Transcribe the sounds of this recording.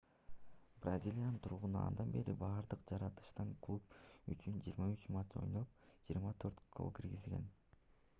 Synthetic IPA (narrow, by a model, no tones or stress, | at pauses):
brazʲilʲijanɯnt̪ʰuɾʁunuɑ̰nd̪ɑnbe̞ɾibɑːɾd̪ɯqd͡ʒɑɾɑt̪ɯ̥ʃt̪ɑŋkʰlˠup̚yt͡ʃynd͡ʒḭːɾmɑyt͡ʃmat͡ʃo̞̰jnopd͡ʒiːɾmɑt̪ʰøɾt̪kʰo̰lˠkiɾɡizlɡe̞̰n